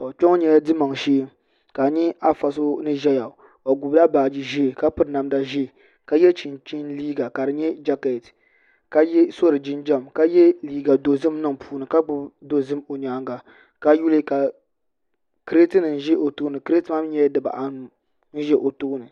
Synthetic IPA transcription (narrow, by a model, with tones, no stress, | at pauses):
a˨k͡pɔ˦ŋ˦ɲɛ˦dɨ˦ma˨ŋʃeː˦m | ka˨ɲɛ˦a˦fa˨so˦nɨ˦ʒɛ˦ja˨ | a˨ɡʊ˨bla˦baː˨d͡ʒi˦ʒe˦˨ka˦pɨ˨ɾna˨mda˨ʒe˦˨ | ka˨˦jɛ˦t͡ʃi˨nt͡ʃi˦nliː˦ɡa˨ka˨dɨ˨ɲɛ˦d͡ʒa˦ka˨t | ka˦jɛ˦so˦ɾɨ˨d͡ʒɪ˦nd͡ʒa˦˨mka˦jɛ˦liː˦ɡa˨do˨zɨ˦m˦nɨ˦ŋpuː˦nɨ˨ka˦ɡ͡bʊ˦bdo˦zɨ˦mo˨ɲaː˨˦ŋɡa˨ | ka˦ju˦lɨ˦ka˨ | kɾe˦tɨ˦nɨ˨n̩˦ʒɛ˦ʔo˨toː˦nɨ˨kɾe˦tma˦m˦ɲɛ˦dɨ˨ba̰˨ʔa˨nu˨ | n̩˦ʒɛ˦ʔo˨to˦nɨ˨